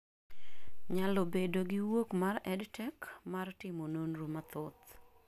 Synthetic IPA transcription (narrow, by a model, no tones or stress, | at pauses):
ɲalɔbedoɡɪwokmarɛdtɛkmartɪmononɾomat̪ʊt̪